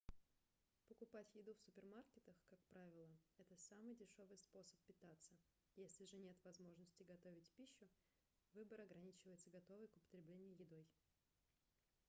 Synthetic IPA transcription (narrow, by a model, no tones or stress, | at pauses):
pəkʊpatʲjɪd̪ufsʊpʲɪrmarkʲɪt̪əxkak̚pɾavʲɪlˠəɛt̪əsamɨjdʲɪʂo̞vɨjspo̞sə̥pːʲɪt̪at̪sːə | jesʲlʲɪʐɨnʲe̞t̪vɐzmo̞ʐnəsʲtʲɪɡɐt̪ovʲɪtʲpʲiɕːʊ | vɨbəɾɐɡɾɐnʲit͡ɕɪvəjɪt̪səɡɐt̪o̞vɨjkʊpə̥t̪ɾʲɪblʲenʲɪjʊjɪd̪o̞j